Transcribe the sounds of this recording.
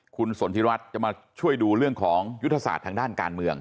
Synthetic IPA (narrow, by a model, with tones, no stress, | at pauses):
kʰu˧nso˩˦nt̪ʰi˧˥wa˦˥t̪̚t͡ɕa˨˩ʔmaː˧ | t͡ɕʰu˥˩əjduː˧ɾɯ˥˩əŋkʰɔː˩˦ŋju˦˥t̪ʰːa˧sa̰ː˨˩t̪ʰːaː˧ŋdaː˥˩nka̰ː˧nmɯ˧əŋ